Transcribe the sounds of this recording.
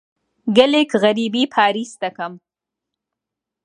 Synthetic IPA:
ɡəlɪkɣaɾibipʰɑːɾist̪akam

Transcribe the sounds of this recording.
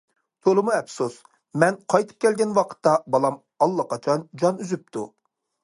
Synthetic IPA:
t̪ʰolˠɨmuɛpsus | mɛnqʰɑjt̪ʰɨ̥p̚kʲʰɛlɡʲɛnwɑqʰə̥t̪ːɑbɑlˠɑm | ɑlˠːɑqɑt͡ʃʰɑnd͡ʒɑnyzyp̚t̪ʰu

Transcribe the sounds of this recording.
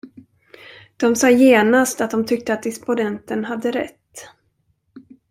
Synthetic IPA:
d̪̥ɔmsɑːjeːnast̪at̪̚d̪ɔmt̪ʰʏk̚t̪əat̪̚d̪ɪspʊd̪ɛnt̪ənɦad̪ːəɾɛ̰t̪ː

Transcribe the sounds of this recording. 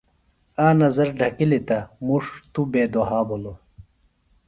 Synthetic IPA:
aːnɐzɐɾɖʱɐkilit̪ɐmuʂt̪ubeːd̪oɦaːbolo

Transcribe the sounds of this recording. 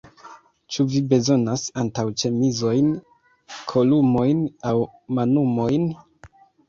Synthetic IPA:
t͡ʃuvibe̞zo̞nasantawt͡ʃe̞mizo̞jn | kʰo̞lumo̞jnawmanumo̞jn

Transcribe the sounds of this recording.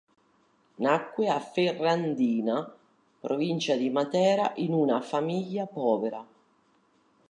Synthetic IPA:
nakːweaferːand̪iːna | pɾovint͡ʃad̪imat̪ɛːɾaʔinunafamiʎːapɔːveɾa

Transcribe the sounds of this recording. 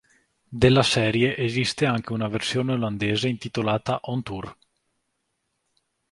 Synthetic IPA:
d̪elːasɛːɾjeʔezist̪eaŋk̟eunaversjoːneoland̪eːzeint̪it̪olaːt̪aʔɔnt̪ur

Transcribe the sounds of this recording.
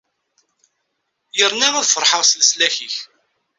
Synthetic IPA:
jəɾnæʁæðfəɾˤħəʁslslæçiç

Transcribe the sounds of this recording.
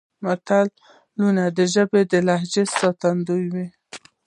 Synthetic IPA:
mat̪alː | unad̪əʒəbed̪əlahd͡ʒesɑt̪and̪ujwi

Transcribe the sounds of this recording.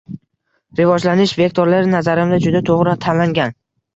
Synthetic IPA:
ɾɪvɒd͡ʒlanɪʃve̞k̚ʲt̪ʰoɾlaɾɪnazaɾɪmd̪ad͡ʒʊd̪at̪ʰoʁɾat̪ʰanlaŋɡʲan

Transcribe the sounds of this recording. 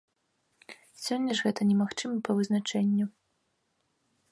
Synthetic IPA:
sʲɔnʲːɐʐɣɛt̪ɐnʲɛmaxt͡ʂɨmɐpɐvɨznat͡ʂɛnʲːu

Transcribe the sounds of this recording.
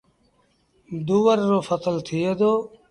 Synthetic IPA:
d̪uːʋəɾːoːfət̪əlt̪ʰied̪oː

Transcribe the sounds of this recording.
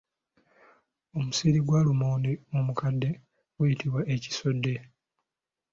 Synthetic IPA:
o̞musiɾiɡwalumoːndeomukadːe̞ | ɡujitiβwaʔeci̥so̞dːe̞

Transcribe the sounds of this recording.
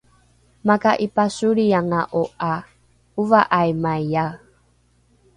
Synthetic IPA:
makaʔipasuɾiaŋaʔoʔa | uvaʔajmajja

